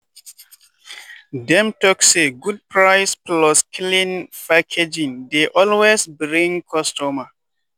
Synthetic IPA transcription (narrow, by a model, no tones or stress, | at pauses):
dɛ̃mtɔkseɡud̚pʰɹaɪsplɔskʰilĩnfakʰed͡ʒĩndeʔɔlwesbɹĩŋkʰɔstuma